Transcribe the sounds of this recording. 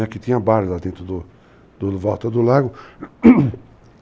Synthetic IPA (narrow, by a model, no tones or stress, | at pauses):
ɐkɪt̪ĩɲɐbaɾɪlad̪ẽnt̪ɾʊd̪ʊ | d̪ʊvɔwt̪ɐd̪ʊlaɡʊ